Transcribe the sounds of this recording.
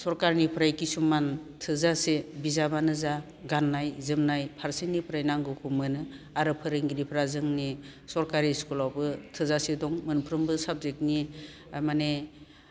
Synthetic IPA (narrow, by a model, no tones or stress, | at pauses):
sɔɾkaɾnipʰɾajkisumantʰɯzasebizabanɯza | ɡanːajzɯmnajpʰaɾsinipʰɾajnaŋɡɯkʰumɯnɯ | aɾɯpʰɯɾɯŋɡiɾipʰɾazɯŋnisɔɾkaɾiskulawbɯtʰɯzasedɔŋmɯnpʰɾɯmbɯsab̚zek̚ni | mane